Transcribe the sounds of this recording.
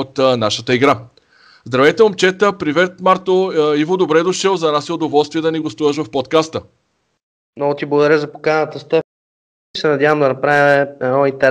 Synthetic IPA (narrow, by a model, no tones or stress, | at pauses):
ot̪naʃət̪əiɡɾa | zd̪ɾɐvɛjt̪ɛomt͡ʃɛt̪əpɾivɛt̪maɾt̪oivod̪obɾɛd̪ʊʃəlˠzɐnasiod̪ovɔlˠst̪viɛd̪ɐniɡost̪uvəʃ̬vɐfpɔt̪kast̪ə | mnɔɡot̪iblˠɐɡʊd̪ɐɾjəzɐpo̥kanət̪əst̪ə | sɛnɐd̪ʲjavəmd̪ɐnɐpɾavimɛɛnɔint̪ɛɾ